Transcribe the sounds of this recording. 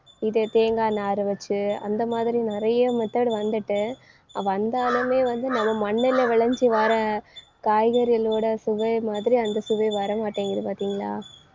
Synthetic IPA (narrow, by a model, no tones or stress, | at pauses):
ɪðɯt̪eːŋɡaːnaːɾɯʋɐt͡ʃːɯɐ̰nd̪ɐmaːðɪɾinɪɾɐjɐmɛt̪ːɐːɽɯʋɐnd̪ɯʈːɯ | ɐʋɐnd̪aːlɯmeːʋɐnd̪ɯnɐmːɐmɐɳːɪlɐʋɪɭɐɲd͡ʒiʋɐɾɐ | kaːjɣɐɾɐloːɽɐsʊʋɐjmaːðɪɾiɐnd̪ɐsʊʋɐɪʋɐɾɐmaːʈːeːŋɡɪɾɯpaːɾt̪iːŋɡɐɭaː